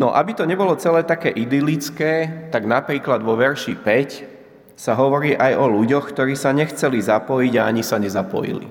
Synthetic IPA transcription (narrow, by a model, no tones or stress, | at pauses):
nɔ̰ʔabit̪ɔɲɛbɔlɔt͡sɛlɛːt̪akɛːʔid̪ilit͡skɛːt̪aɡnapɾiːklad̪ʋɔʋɛɾʃipɛc | saɦɔʋɔɾiːʔajɔluɟɔxkt̪ɔɾiːsaɲɛxt͡sɛlizapɔjiɟaaɲisaɲɛzapɔ̰jḭlḭ